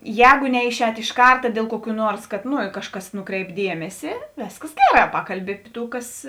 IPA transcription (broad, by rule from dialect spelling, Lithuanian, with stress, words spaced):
ˈjɛːɡoː ˈnʲɛɪˌʃʲɛːt ɪʃ ˈkɐrtɐ dʲiɛlˠ ˈkuɔˌkʲuː ˈnuɔrs ˈkɐt ˈnoː ˈkɑːʃˌkɐs ˈnʊˌkrʲɛɪp ˈdʲiɛmʲɛsʲɪ ˈʋʲeːskɐs ˈɡʲæːˌrɑː ˈpɑːkɐlʲˌbʲɪ ɐpʲɪ ˈtuː ˈkɐs